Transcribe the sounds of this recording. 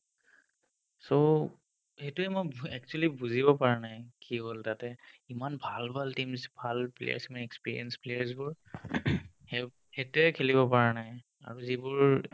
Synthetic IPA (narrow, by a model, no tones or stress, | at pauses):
so | hetuɛmojɛk̚t͡ʃualibuzibɔpaɹɛnajkiɦoltatɛimanbʱalbʱaltimsbʱalplḛja̰ɹsimanɛkspiɹḭɛnsplejaɹs̬bʊɹ | h | hetuɛkʰelibɔpaɹɛnaj | a̰ɹuzibʊɹ